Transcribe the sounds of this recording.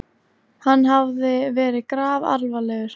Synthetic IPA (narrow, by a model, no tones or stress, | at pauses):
hanːɦavðɪvɛːɾɪkɾaːva̰ɾvalɛːɣʏɾ̥